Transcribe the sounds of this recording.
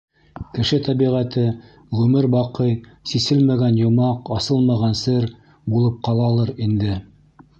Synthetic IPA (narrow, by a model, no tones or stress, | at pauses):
kɘ̆ʃɘt̪æβiʁæt̪ɘ | ʁʉmɘɾbɑqɤjsisɘlmæɡænjŏmɑqɑsɤlˠmɑʁɑnsɘɾ | bulˠɤp̚qɑlˠɑlˠɤɾind̪ɘ